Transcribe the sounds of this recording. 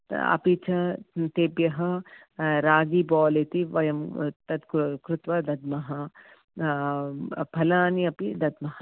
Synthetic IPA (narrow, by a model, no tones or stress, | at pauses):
ɐ̰pit͡ʃʰɐt̪eːbjɐɦɐ | ɾaːɡibɔːlit̪iʋɐjɐmt̪ɐt̪kkɾut̪ʋɐd̪ɐd̪mɐɦɐ | pʰɐlaːniɐpid̪ɐd̪mɐɦɐ